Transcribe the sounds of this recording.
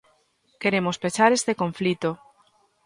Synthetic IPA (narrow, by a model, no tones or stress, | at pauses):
keɾemospet͡ʃaɾest̪ekoɱflit̪o